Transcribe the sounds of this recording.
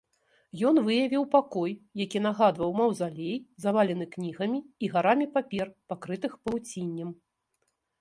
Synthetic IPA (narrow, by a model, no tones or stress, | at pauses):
jɔnvɨjɐvʲiwpakɔjːakʲinaɣad̪vɐwmɐwzalʲejzavalʲɛn̪ɨknʲiɣɐmʲiːɣaɾamʲipapʲɛrpakɾɨt̪ɨxpɐt͡sʲinʲːɐm